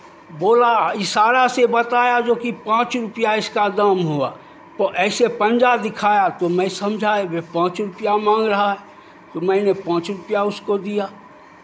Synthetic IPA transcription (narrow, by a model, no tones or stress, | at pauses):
boːlaɪsaːɾasebɐt̪aːjad͡ʒoːkipãːt͡ʃɾʊpjaɪskad̪amɦua̰ | t̪oʔɛːsepə̃nd͡ʒad̪ɪkʰaːjat̪omɛ̃sɐmd͡ʒʱaebepãːt͡ʃɾʊpjamãːŋɡɾɐɦaɦɛː | t̪omɛ̃ːnepãːt͡ʃɾʊpjaʊskod̪ijaː